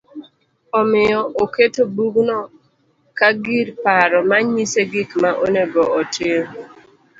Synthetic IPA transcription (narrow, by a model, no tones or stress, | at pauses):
ɔmɪɔʔoketobuɡnɔ | kaɡiɾpaɾɔmaɲiseɡikmaʔoneɡoɔtʰe